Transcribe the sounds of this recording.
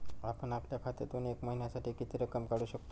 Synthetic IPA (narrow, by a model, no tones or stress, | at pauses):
apəɳapljakʰat̪et̪oniekməɦinjasaʈʰiːkit̪iːɾəkəmkaɽuːɕəkt̪o